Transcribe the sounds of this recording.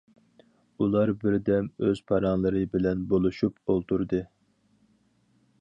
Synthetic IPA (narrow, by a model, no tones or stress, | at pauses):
ulˠɑɾbɪɾd̪ɛmøz̥pʰɑɾɑŋlˠɨɾɨbɪlɛnbolˠuʃupolˠt̪ʰuɾd̪ɨ